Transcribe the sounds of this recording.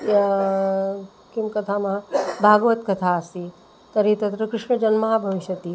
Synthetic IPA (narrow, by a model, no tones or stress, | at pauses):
kimkɐt̪ʰamabʱaːɡʋət̪kɐt̪ʰaːsi | t̪ɐɾit̪ɐt̪ɾəkɾɪʂɳəd͡ʒɐnmaɦabʱɐʋiʃjɐt̪i